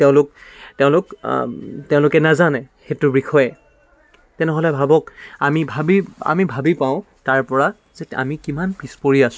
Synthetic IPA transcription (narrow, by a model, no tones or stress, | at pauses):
tɛʊ̃lʊk̚tɛʊ̃lʊk | tɛʊ̃lʊkɛnazanɛxetʊbɹikʰɔjɛ | tɛnɛɦolɛbʱabɔkamibʱabia̰mibʱabipaʊ̃ | taɹpɔɹa | zɛa̰mikimanpispoɹiasʊ̥̃